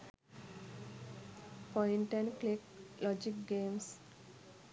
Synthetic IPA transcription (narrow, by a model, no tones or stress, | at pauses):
pɔiɳʈenkleklɔd͡ʒik̚ɡems